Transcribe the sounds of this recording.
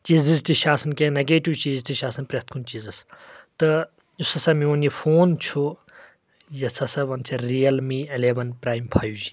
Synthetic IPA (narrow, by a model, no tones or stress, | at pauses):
t͡ʃiːzizʈiʃaːsɐnkenɐɡeːʈiʋt͡ʃiːzʈiʃaːsɐnpɾet̪̚ʰkʰunt͡ʃiːzɐst̪ɨ | usɐsamiɐnifoːnt͡ʃʰu | jɐsʰɐsɐʋɐnt͡ʃʰɐɾiːɐlmiːileːʋɐnpɾaːjmpʰaːjuːd͡ʒi